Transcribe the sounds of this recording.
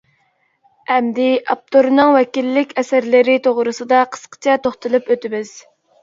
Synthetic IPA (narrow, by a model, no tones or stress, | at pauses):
ɛmd̪ɪʔɑp̚t̪ʰoɾnɨŋwɛkʲilːɪkʲɛsæɾlɪɾɪt̪ʰoʁɾɨsɨd̪ɑqʰə̥sqə̥t͡ʃʰɑt̪oχt̪ʰɨlˠɨpøt̪ɪmɪz̥